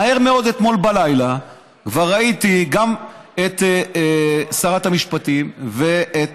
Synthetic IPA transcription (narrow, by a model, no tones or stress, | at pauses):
aeʁme̞o̞d̪et̪mo̞lbalajla | kvaʁːait̪iɡamet̪ː | saʁat̪amiʃpat̪imve̞et